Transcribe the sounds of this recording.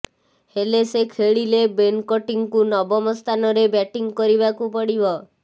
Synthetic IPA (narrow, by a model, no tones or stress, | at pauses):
helesekʰeɭilebenkɔʈiŋkunɔbɔmɔst̪ʰanɔɾebɛʈiŋkɔɾibakupɔɽibɔ